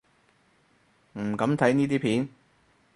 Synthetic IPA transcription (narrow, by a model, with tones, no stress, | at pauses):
m̩˨˩kɐ˨˥mt̪ʰɐ˨˥jniː˥t̪iː˥pʰiː˨˥n